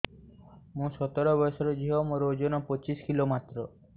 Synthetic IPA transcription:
mũsɔt̪ɔɾɔbɔsɔɾɔd͡ʒiɦɔmoɾod͡ʒɔnɔpɔt͡ʃiskilomat̪ɾɔ

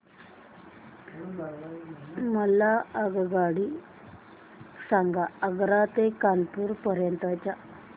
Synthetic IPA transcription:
a | məlːaəɡɡaɽi | saŋɡaəɡɾat̪ekanpuːɾpəɾjənt̪at͡ɕa

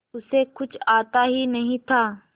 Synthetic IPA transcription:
ʊsekʊt͡ʃʰaːt̪aɦinɐɦĩt̪ʰaː

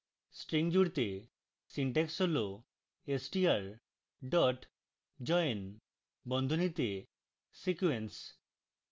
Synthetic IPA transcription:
sʈɾiŋd͡ʑuɾt̪e | siɳʈeksɦolo | esʈiaɾ | ɖɔʈ | d͡ʒɔjn | bɔnd̪ʱonit̪e | sikuens

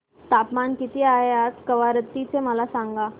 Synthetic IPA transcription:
t̪apmankit̪iaɦeat̪kəʋaɾət̪ːit͡seməlasãŋɡa

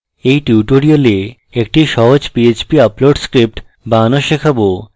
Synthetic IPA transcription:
ejʈuʈoɾiole | ek̚ʈiʃɔɦod͡ʑpiet͡ɕbiaploɖskɾip̚ʈ | banoʃekʰabo

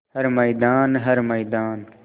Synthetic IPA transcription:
həɾmɐːd̪aːnɦəɾmɐjd̪aːn

